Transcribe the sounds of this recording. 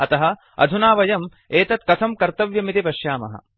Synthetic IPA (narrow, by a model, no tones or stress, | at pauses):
ɐt̪ɐɦɐ̆ | ɐ̰d̪ʱunaːʋɐjɐm | eːt̪ɐt̪̚kɐsɐmkɐɾt̪ɐʋjɐmit̪ipɐʃjaːmɐ̰ɦɐ̰